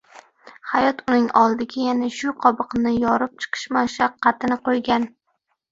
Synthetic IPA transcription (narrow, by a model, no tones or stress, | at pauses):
hajɒt̪ʊnɪŋɒlˠd̪ɪɡʲajanaʃʊqʰɒbɨqnɪjɒɾɪp̚t͡ʃʰɨ̥qʰɨ̥ʃmaʃaqʰːɑt̪ɪnɪqʰojɡʲan